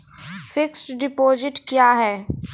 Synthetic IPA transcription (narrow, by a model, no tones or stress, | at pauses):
fɪksʈɖɪpoːzɪʈkjaːɦɛː